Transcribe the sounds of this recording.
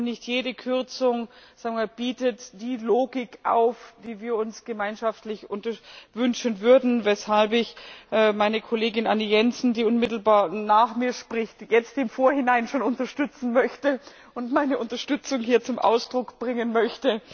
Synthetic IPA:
nɪçtjeːdəkʰʏɐt͡sʊŋz̥aːɡmaːb̥iːtətd̥iːloːɡɪkʔa̰ʊfd̥iːviːɐʊnsɡ̥əmaɪnʃaftlɪçʔʊntɐvʏnʃənvʏɐdn̩vɛshalpɪçʔːmaɪnəkʰoleːɡɪnʔanijɛnsn̩diːʊnmɪtl̩baːɐnaːχmiːɐʃpʁ̥ɪçtjɛt͡stɪmfoːɐhɪnaɪnʃoːnʊntɐʃtʏt͡sn̩mœçtə | ʔʊntmaɪnəʔʊntɐʃtʏt͡sʊŋɦiːɐt͡sʊmʔa̰ʊsd̥ʁʊkb̥ʁɪŋənmœçtə

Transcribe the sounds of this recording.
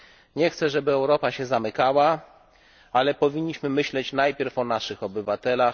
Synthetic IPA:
ɲɛxt̪sɛʐɛbɘɛwɾɔpaɕɛzamɘkawa | alɛpɔvʲiɲːiɕmɘmɘɕlɛt͡ɕnajpʲjɛɾfɔnaʂɘxɔbɘvat̪ɛlax

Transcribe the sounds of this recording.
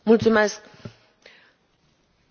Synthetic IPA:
mult͡sumɛsk

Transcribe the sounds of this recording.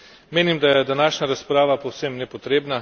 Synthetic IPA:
meːnimd̪ajɛd̪anaːʃnaɾaspɾaːʋapowsemnɛpɔt̪ɾeːbna

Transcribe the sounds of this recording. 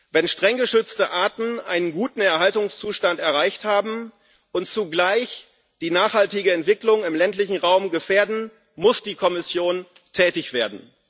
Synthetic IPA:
vɛnʃtʁ̥ɛŋɡəʃʏt͡stəʔaːtn̩ʔa̰ɪnənɡuːtn̩ɛɐɦaltʊŋst͡suːʃtantɛɐʁ̞aɪçthaːbm̩ | ʔʊntt͡suɡlaɪç | d̥iːnaːχhaltɪɡəɛntv̥ɪklʊŋɪmlɛntlɪçn̩ʁaʊmɡəfeːɐdn̩ | mʊsd̥iːkʰɔmɪsjoːn | tʰɛːtɪçv̥eːɐdn̩

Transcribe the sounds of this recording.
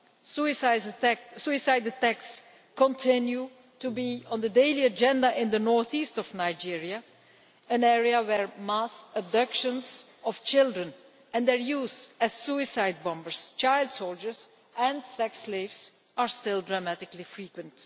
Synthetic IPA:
suɪsasuɪsaɪdətæks | kɔ̃ntʰɪ̃nju | tubiɔ̃nd̪ədeɪliəd͡ʒɛ̃ndaʔɪ̃nd̪ənɔɹθistɔvnaɪd͡ʒiɹia | ɨ̃nɛɹiəwɛɹmasəb̚dʌkʃə̃nzɔft͡ʃɪlˠdɹə̃n | ɛ̃nd̪ɛɹjuːzɛz̥suɪsaɪd̚bɔ̃mbəɹst͡ʃaɪlˠdsoʊlˠd͡ʒə˞z | ɛ̃nsɛksleɪvz | ʔaɹstɪlˠdɹamætɪklifɹikwə̃nt

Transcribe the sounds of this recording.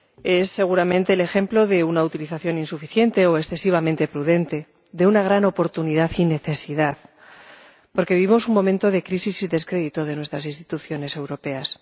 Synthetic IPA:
e̞sːe̞ɣuɾamẽ̞nt̪e̞ːle̞xe̞mplo̞ðe̞unaut̪iliθaθjo̞ninsufiθje̞nt̪e̞oesθesiβ̞amẽnt̪e̞pɾuðe̞nt̪e̞ | d̪e̞unaɣ̞ɾano̞po̞ɾt̪uniðaθine̞θe̞siðaθ | po̞ɾke̞βiβimo̞suŋmõ̞mẽnt̪o̞ðekɾisisiðe̞skɾe̞ðit̪oðe̞nwe̞st̪ɾasinst̪i̥t̪uθjo̞ne̞se̞wɾo̞pe̞as

